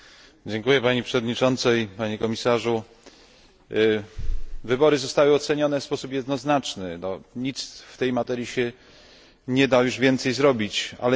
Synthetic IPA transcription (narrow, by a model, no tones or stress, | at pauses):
d͡ʑɛŋkujɛpaɲipʂɛvɔd̪ɲit͡ʂɔnt̪sɛpaɲɛkɔmʲisaʐu | vɘbɔɾɘzɔst̪awɘɔt̪sɛɲɔnɛfspɔsupjɛd̪nɔznat͡ʂnɘnɔɲit̪sft̪ɛjmat̪ɛɾjiɕɛ | ɲɛd̪ajuʐvʲjɛnt̪sɛjzɾɔbʲit͡ɕa̰lɛ